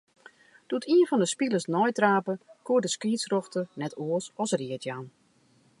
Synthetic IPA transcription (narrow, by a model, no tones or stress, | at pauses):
d̥utʰiənfɔndəspilˠəsnɔjtraːpəkuːədəskiːsrɔxtənɛtuəsɔsriətʰjaːn